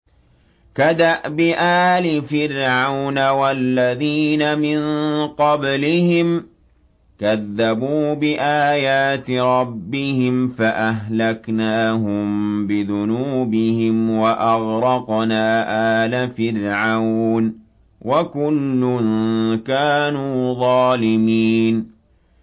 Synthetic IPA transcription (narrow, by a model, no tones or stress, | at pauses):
kad̪aʔbɪʔaːlɪfɪɾʕawnawalːaðiːnamɪnqɑblɪhɪm | kaðːabuːbɪʔaːjaːt̪ɾˤɑbːɪhɪmfaʔaɦlaknaːɦʊmbɪðʊnuːbɪhɪmwaʔɑɣɾɑqnaːʔaːlafɪɾʕawn | wʔakʊlːʊnkaːnuːðˤɑːlɪmiːn